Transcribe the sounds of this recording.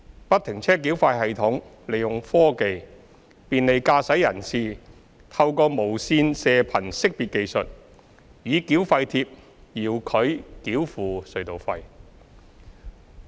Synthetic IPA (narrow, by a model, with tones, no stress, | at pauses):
pɐ˥t̪ʰɪ˨˩ŋt͡sʰɛː˥k̬i˨˥wfaː˧jɦɐ˨jt̪ʰʊ˨˥ŋ | le˨˩jjʊ˨ŋfɔː˥ke˨˧j | piː˨nle˨˧jkaː˧sɐ˨˥jːɐ˨˩nsiː˨˩ | t̪ʰɐ˧wkɔː˧mo˨˩wsiː˧nsɛː˧pʰɐ˨˩nsɪ˥k̚piː˨t̚ke˧jsɵ˨t̚ | jiː˨˧˥kiː˨˥wfɐ˧jt̪ʰiː˧p̚ | jiː˨˩wkʰɵ˨˧ɥkiː˨˥wfuː˨sɵ˨˧ɥt̪o˨˩wfɐ˧j